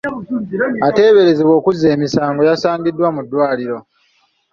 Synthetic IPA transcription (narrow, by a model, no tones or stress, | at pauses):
ate̞ːβe̞ɾe̞ziβo̞ːkuzːe̞ːmisaːŋɡo̞jasaːɲɡidːwamudːwaːliɾo̞